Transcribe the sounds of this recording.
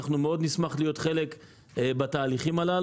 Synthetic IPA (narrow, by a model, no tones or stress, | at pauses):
aχnumeo̞d̪nismaχlijo̞t̪χe̞le̞k | bat̪aːliχimalal